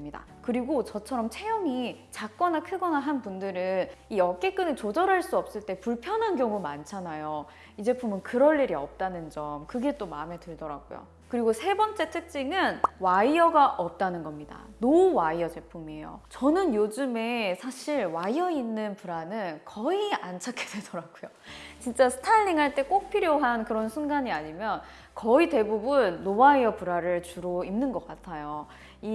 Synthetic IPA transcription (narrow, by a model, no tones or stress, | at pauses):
mɲida̰ | kɯɾiɡot͡ɕʌt͡ɕʰʌɾʌmt͡ɕʰejʌmit͡ɕak̚k͈ʌnakʰɯɡʌnaɦanpundɯɾɯnijʌk͈e̞k͈ɯnɯɭt͡ɕod͡ʑʌɾɦaɭs͈uʌp̚s͈ɯɭt͈e̞puɭpʰjʌnɦanɡjʌŋumant͡ɕʰanajo | id͡ʑe̞pʰumɯnkɯɾʌɭːiɾiʌp̚t͈anɯnd͡ʑʌmkɯɡe̞t͈omame̞tɯɭdʌɾa̰ɡ̥o̰jo̰ | kɯɾiɡosʰe̞bʌnt͡ɕ͈e̞tʰɯk̚t͡ɕ͈iŋɯnwaiʌɡaʔʌp̚t͈anɯnɡʌmɲida̰nowaiʌd͡ʑe̞pʰumieejo̰t͡ɕʌnɯnjod͡ʑɯme̞sʰaɕʰiɭwaiʌinːɯnpuɾanɯnkʌiant͡ɕʰakʰedwedʌɾaɡujo | t͡ɕint͡ɕ͈asʰɯ̥tʰaʎːeŋɦaɭt͈e̞k͈ok̚pʰiɾjoɦankɯɾʌnsʰunɡaɲiaɲimjʌn | kʌite̞bubunːowaiʌpuɾaɾɯɭt͡ɕuɾoimnːɯnɡʌk͈atʰajo | i